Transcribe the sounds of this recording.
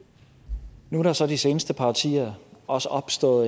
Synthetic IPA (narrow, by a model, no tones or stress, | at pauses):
nuɾɑ̈sɒ̽d̥ise̝ːnəsd̥əpʰɑ̈t͡sʰḭːɐʔɒ̽səʔɒ̽b̥sd̥ɔ̰̽ːð̩ˠ